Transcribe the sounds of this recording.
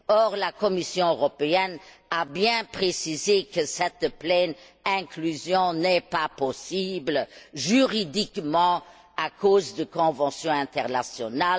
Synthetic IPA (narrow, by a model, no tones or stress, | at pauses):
ɔʁlakɔmisjɔ̃øʁɔpeɛnabjɛ̃pχesizekəsɛt̪plɛn | ɛ̃klyzjɔ̃nɛpapɔsibləʒyʁid̪ikmɑ̃ | akozd̪əkɔ̃vɑ̃sjɔ̃ɛ̃t̪ɛʁnasjɔnal